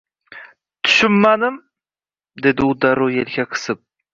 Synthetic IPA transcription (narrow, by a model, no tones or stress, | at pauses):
t̪ʰʊ̥ʃʊmːanɪm | d̪e̞d̪ɪʊd̪aɾojelɡʲaqʰɨ̥sɪp̚